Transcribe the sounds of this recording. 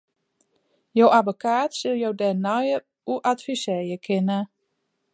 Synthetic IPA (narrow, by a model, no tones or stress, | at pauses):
jowʔavokʰaːtsɪlˠjowdɛnɔjə | uʔatfisɛjəkʰɪnə